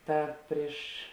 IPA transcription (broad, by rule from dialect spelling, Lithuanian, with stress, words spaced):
ˈtɐt ˈpʲrʲɪʃ